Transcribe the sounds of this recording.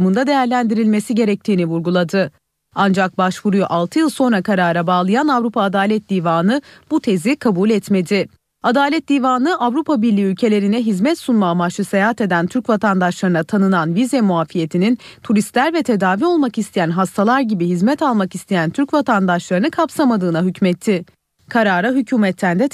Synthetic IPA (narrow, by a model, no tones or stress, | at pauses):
mund̪ad̪e̞jæɾlʲænd̪iɾilʲme̞siɟe̞ɾɛc̚t̪ʰiːnivuɾɡulˠad̪ɯ | and͡ʒak̚baʃvuɾujuʔalˠt̪ʰɯjɯlˠso̞nɾakʰaɾaːɾabaːlˠɯjanavɾupʰaːd̪aːlʲɛt̪̚d̪iːvaːnɯbut̪ʰe̞zikʰabulʲɛt̪me̞d̪ɪ | ad̪aːlʲɛt̪̚d̪iːvaːnɯʔavɾupʰabiɾlʲiːylʲcʰe̞lʲe̞ɾinɛɦizmɛt̪sunmamaʃɯsejaɦat̪e̞d̪ænt̪ʰyɾcvat̪ʰand̪aʃlˠaɾɯnat̪ʰanɯnanvizɛmuaːfije̞t̪ʰinint̪ʰuɾist̪lʲæɾvɛt̪ʰe̞d̪aːvio̞lˠmakist̪ʰejænɦast̪ʰalˠaɾɟibiɦizmɛt̪ʰalˠmakist̪ʰejænt̪ʰyɾcvat̪ʰand̪aʃlˠaɾɯnɯkʰapsamad̪ɯːnaɦycmɛt̪ʰːɪ | kʰaɾaːɾaɦycʰuːmɛt̪ʰːænd̪ɛ